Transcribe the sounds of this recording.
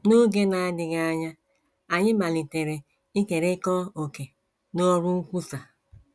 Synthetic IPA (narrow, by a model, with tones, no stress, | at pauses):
no˦ɡe˦na˨a˦dɪ˨ɡa˦a˦ɲa˦ | a˨ɲɪ˦ma˨li˨te˨ɾe˨ | i˦ke˨ɾe˦kɔ˦o˨ke˨ | no˦ɾu˦ŋ̩˦kʷu˦sa˨